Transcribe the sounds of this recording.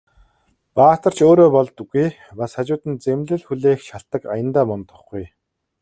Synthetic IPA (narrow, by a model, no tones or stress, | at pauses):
paːt̪ə̆r̥t͡ɕoːɾoːpɔɮt̪ɵ̆ɡuj | pasχat͡ɕʊːt̪ɘ̆nt͡semɮɘ̆ɮxuɮeːxʃaɬt̪ə̆kajə̆nt̪aːmɔnt̪ə̆χɡuj